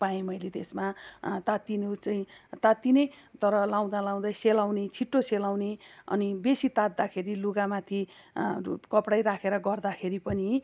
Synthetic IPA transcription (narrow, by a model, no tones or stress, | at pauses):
pajẽmʌjlet̪esmat̪at̪inut͡saĩt̪at̪ine | t̪ʌɾʌlaw̃d̪alãw̃d̪ajselaw̃net͡sʰiʈːoselaw̃neʌ̰nibesit̪at̪̚d̪akʰeɾiluɡamat̪ʰi | kʌpɽajɾakʰeɾʌɡʌrd̪akʰeɾipʌni